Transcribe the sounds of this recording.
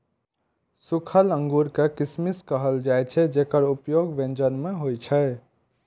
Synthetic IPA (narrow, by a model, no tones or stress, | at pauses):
sukʰələ̃ŋɡuɾkekismiskəɦəld͡ʒajt͡ʃʰɛd͡ʒekəɾupjoɡʋẽnd͡ʒənmeɦojt͡ʃʰɛ